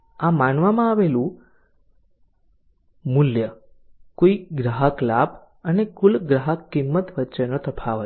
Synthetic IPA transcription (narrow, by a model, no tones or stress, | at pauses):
amanʋamãaʋelũ | muljə | koiɡɾaɦəklab | ənekulɡɾaɦəkːimːət̪ʋətːt͡ʃenot̪əpʰaʋə